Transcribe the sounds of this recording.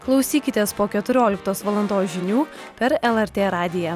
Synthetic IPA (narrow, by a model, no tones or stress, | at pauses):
klˠɒʊsʲiːkʲɪt̪ʲeːspoːkʲɛt̪ʊɾʲoːlʲɪk̚t̪oːsʋɐlˠɐnd̪oːsʒʲɪnʲuː | pʲɛɾɛlˠɛɾʲt̪ʲeːɾɑːd̪ʲɪjɛː